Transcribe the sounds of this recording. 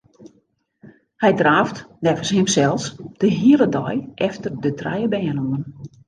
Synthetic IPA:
hɛjdraːftnɛvəshɪmsɛlˠsd̥əɦiələdɔjʔɛftərdətra̰jəbɛːnoŋən

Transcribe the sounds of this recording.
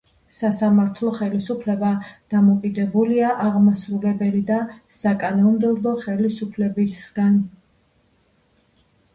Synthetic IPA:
sasamaɾt̪ʰlˠɔχɛlisupʰlɛbad̪̥amɔkʼid̪ɛbuliaʔaʁmasɾulɛbɛlid̪asakʼanɔmd̪ɛblˠɔχɛlisupʰlɛbisɡ̥an

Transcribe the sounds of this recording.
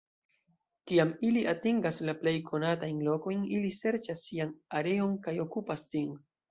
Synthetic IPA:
kiamiliʔatiŋɡaslaple̞jkʰo̞natajnlo̞ko̞jnilise̞ɾt͡ʃasːianaɾe̞o̞nkajo̞kupastin

